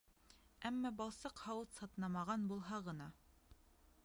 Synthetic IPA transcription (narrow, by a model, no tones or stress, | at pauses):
æmːɑbɑlˠsɤqhɑwɤt̪sɑt̪nɑmɑʁɑnbulˠɦɑʁɤ̆nɑ